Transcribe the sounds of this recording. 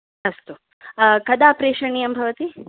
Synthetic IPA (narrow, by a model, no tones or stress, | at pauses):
ɐst̪u | kɐd̪aːpɾeːʃɐɳijɐmbʱɐʋɐt̪i